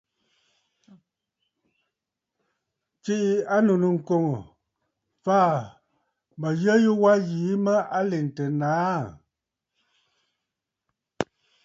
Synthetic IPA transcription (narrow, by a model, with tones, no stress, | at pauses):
t͡ʃi˦ʔi˦a˦nu˨nɨ˨ŋ̩˨ko˨ŋo˨ | faː˦˨ | mə˨ɣə˦ji˦wa˦ɣiː˨˦mə˦ʔa˦le˨n˨tə˨naː˦